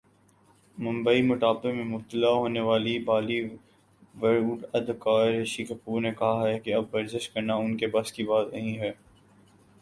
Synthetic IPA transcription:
mʊ̃mbəimʊʈ̪aːbemẽmʊb̚t̪əlaɦoːneʋaːlibaːli | ʋɐɾuːɖɐd̪kaːɾʃikɐpuːɾnekɐɦaɦɛkeɐbʋɐɾzɪʃkɐɾnaʊnkebɐskibaːt̪nɐɦĩɦɛː

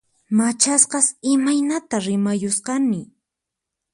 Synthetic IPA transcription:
mat͡ʃasqɑsɪmajnat̪aɾɪmajʊsqɑnɪ

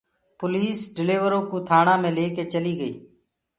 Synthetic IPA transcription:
pʊliːsɖɪleːʋəɾoːkuːt̪ʰaːɳãːmẽːleːkeːt͡ʃəliːɡəḭː

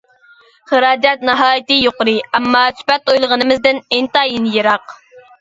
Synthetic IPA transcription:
χəɾɑːd͡ʒɛt̪nɨɦɑːjit̪ɨjoqʊɾɨɛmːɑsy̥pɛt̪ojlˠəʁənɨmɪzd̪ɪnɪnt̪ɑːjinjeɾɑq

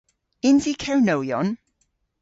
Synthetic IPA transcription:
ɪnzikʰawnowjɔ̰n

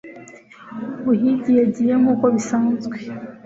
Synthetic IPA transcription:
βuɦiɟijaɟijemukoβisaːnzɡwe

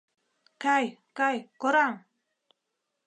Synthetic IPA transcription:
kajkajkoɾaŋ

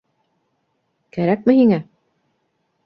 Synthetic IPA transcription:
kæɾæk̚mɘhiŋæ

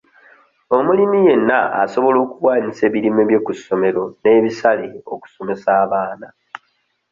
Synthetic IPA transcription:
o̞mulimije̞nːaaso̞βo̞lo̞ːkuwaːɲise̞ːβiɾimeβje̞kusːo̞me̞ɾo̞ne̞ːβisaleo̞̰ku̥so̞me̞saːβaːna

